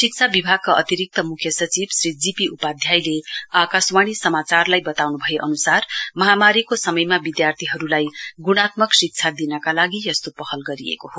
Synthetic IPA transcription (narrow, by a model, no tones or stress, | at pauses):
sik̚t͡sʰabibʱaɡ̚kaʔʌt̪iɾik̚t̪ʌmukʰːjʌsʌt͡sibsrid͡zipiupad̪ʱjajleakaswaɽ̃isʌmat͡sarlajbʌt̪awnubʱʌjeʔʌnusarmʌɦamaɾikosʌmʌjmabid̪jart̪ʰiɦʌɾulajɡuɽ̃at̪̚mʌksik̚t͡sʰad̪inʌkalaɡijʌst̪opʌhʌlɡʌɾiḛkoɦo